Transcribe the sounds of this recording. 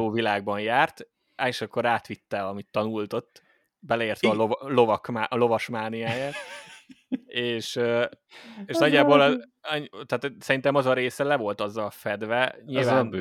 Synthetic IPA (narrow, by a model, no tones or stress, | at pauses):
oːvilaːɡ̚bɒnjaːrt̪ | aʃɛkːoɾaːt̪ʋit̪ːɛɒmit̪ːɒnult̪o̞t̪ː | bɛlɛeːrt̪ɛɒlolo̞vɒkmaʔlo̞vɒʃmaːnijaːjaːt̪ | eːʃøːeːʃnɒɟːaːbol | t̪aːt̪sɛɾint̪ɛmɒzɒɾeːsɛlɛvo̞lt̪ɒzːɒlfɛd̪vɛɲilvaːnb